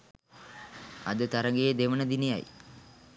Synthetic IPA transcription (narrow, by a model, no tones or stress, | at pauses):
a̰d̪ət̪aɾəŋɡejːd̪eʋənəd̪ineja̰j